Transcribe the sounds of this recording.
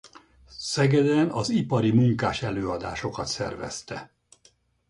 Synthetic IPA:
sɛɡɛd̪ɛnɒzipɒɾimuŋkaːʃɛløːɒd̪a̰ːʃo̞kɒt̪sɛ̰rvɛ̰st̪ɛ

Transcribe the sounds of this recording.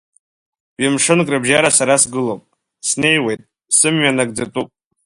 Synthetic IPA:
amʂɨnkʼrɨbʒaɾasaɾasɡɨlopʼ | sne̞jwe̞jtʼ | sɨmɥanak̚ʼd͡zatʼupʼ

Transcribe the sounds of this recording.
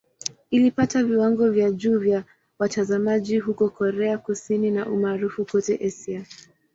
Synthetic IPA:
ilipataviwaŋɡɔvjaʄuːvja | watazamaʄiɦukɔkɔɾɛakusininaʔumaːɾufukɔtɛʔɛsia

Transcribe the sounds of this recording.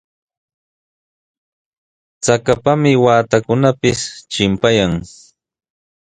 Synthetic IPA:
t͡sakapamɪwaːt̪akʊnapɪst͡ʃɪmpajaŋ

